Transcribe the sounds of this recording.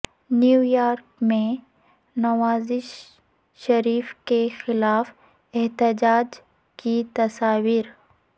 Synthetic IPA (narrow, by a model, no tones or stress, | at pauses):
njuːjaːɾkmẽ | nɐʋaːzɪʃ | ʃɐɾiːfkexɪlaːf | ɛɦt̪ɪd͡ʒaːd͡ʒ | kit̪ɐsaːʋiːɾ